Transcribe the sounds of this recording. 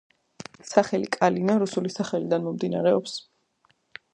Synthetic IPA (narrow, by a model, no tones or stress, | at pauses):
saχɛlikʼalinaɾusulisaχɛlid̪anmɔmd̪ina̰ɾɛɔps